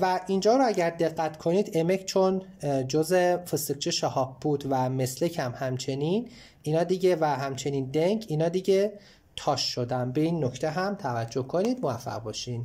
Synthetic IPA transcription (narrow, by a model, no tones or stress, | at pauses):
væʔind͡ʒɒːɾoæɟæɾd̪e̞ɣːæt̪ʰkʰo̞niːd̪eme̞cʰt͡ʃʰond͡ʒozefist̪ek̚t͡ʃʰeʃɒhɒːb̚buːd̪væme̞slecʰæmhæmt͡ʃʰe̞niːn | ʔinɒːd̪iɟevæɦæmt͡ʃʰe̞niːnd̪eŋɡinɒːd̪iɟe | t̪ʰɒːʃːod̪ænbeiːnːoct̪ʰeɦæmt̪ʰævæd͡ʒːohkʰoniːd̪movæfːæ̰ʁbɒːʃin